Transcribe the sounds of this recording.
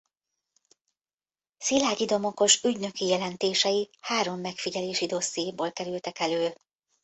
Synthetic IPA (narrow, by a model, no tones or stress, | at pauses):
silaːɟid̪o̞mo̞ko̞ʃyɟnø̞kijɛlɛnt̪eːʃɛjihaːɾo̞mːɛkfiɟɛleːʃid̪o̞sːijeːboːlkɛɾylt̪ɛkɛløː